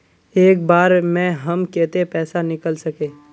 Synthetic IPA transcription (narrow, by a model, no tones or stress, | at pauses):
eːk̚baːɾmɛ̃ɦɐmkɛːt̪epɛːsanɪkəlsɐkeː